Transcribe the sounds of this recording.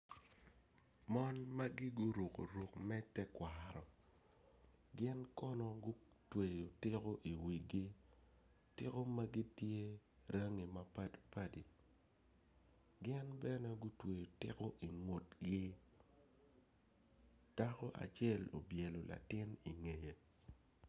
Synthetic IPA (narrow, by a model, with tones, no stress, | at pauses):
mɔ˦nma˦ɡɪ˦ɡʊ˦ɾu˨ko̰˨ɾu˨kmɛ˦tɛ˦kwa˨ɾɔ˨ | ɡɪ˦nkɔ˦nɔ˦ɡʊ˦ | twe˨jo˨tɪ˦ko˦ʔi˨wi˨ɡi˦ | tɪ˦ko˦ma˦ɡi˦tje˦ | ɾʔə˦ŋi˨ma˦pa˦dpa˦di˨ | ɡɪ˦nbɛ˦nɛ˦ɡʊ˦twe˨jo˨tɪ̰˦ko˦ʔi˨ŋo˨tɡɪ˦ | d̥a˦kɔ˦ʔa̰˨t͡ʃɛ˦˨lo̰˨bje˨lo˨la̰˨tɪ˦ni˨ŋe˨je˨